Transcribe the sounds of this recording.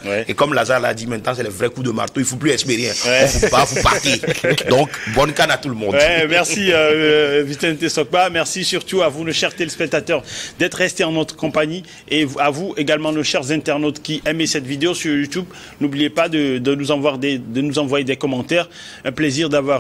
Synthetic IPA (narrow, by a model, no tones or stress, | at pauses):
wɛekɔmlazaʁla̰d̪imɛ̃t̪nɑ̃sɛlɛvʁɛkud̪əma̰ʁt̪oilfoplyɛ̃speʁeɛ̃wɛɔ̃vopavupa̰ʁked̪ɔ̃kbɔnkanat̪uləmɔ̃dw̪ɛmɛʁsiøvit̪ɛ̃nt̪esɔk̚bamɛʁsisyʁt̪uavunoʃɛʁt̪ɛlspɛk̚t̪at̪œʁd̪ɛt̪χʁɛst̪eɑ̃nɔt̪χə̥kɔ̃paɲi | eavueɡalmɑ̃noʃɛʁzɛ̃t̪ɛʁnot̪kʲiʔɛmesɛt̪vid̪eosyʁjut̪ub | nublijepad̪əd̪ənuzɑ̃vwaʁd̪ɛd̪ənuzɑ̃vwajed̪ɛkɔmɑ̃t̪ɛʁ | ɛ̃pleziʁd̪avwaʁ